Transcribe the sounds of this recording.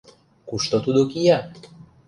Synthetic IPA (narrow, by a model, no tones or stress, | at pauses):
kuʃt̪ɔt̪ud̪okija